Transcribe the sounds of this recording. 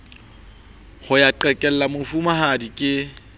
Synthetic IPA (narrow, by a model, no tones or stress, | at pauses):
hʊjaǃɛkʼɛl̩lamʊfumahadikʼɪ